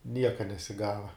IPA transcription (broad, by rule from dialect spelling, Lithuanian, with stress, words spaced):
ˈnʲiɛkɐ nʲɛsʲɪˈɡɑːʋɐ